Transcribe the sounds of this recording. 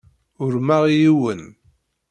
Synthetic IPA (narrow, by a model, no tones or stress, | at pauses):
ʊɾmaʁijiwən